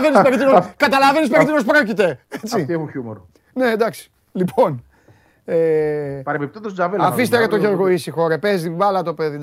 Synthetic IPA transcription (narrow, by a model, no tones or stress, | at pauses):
venisspeɾit̪inokɐt̪ɐlɐvenis̬peit̪inos̬pɾocit̪e̞et͡siieuçumoɾ | ned̪ɐksi̥ | lipʰo̞n | epɐɾepip̚t̪it̪ost̪zavelɐfis̬t̪eɾet̪oʝeɾɣoisixo̞ɾɐpezivɐlɐt̪o̞peði